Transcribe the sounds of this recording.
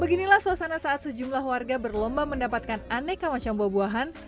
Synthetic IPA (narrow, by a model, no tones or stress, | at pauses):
bəɡinilahsuasanasaʔat̪̚səd͡ʒumlahwarɡabərlɔmbaməndapat̪̚kananɛkːəmat͡ʃambabuaɦan